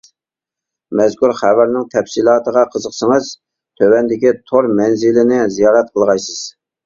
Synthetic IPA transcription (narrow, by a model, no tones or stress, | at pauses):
mɛzkuɾχævæɾnɪŋt̪ʰɛpsilˠɑːt̪əʁɑqʰəzəqsəŋəz | t̪ʰøwɛnd̪ɪkʲit̪ʰoɾmɛnzɪlɪnɪzijɑːɾɛt̪̚qʰəlˠʁɑjsɨz̥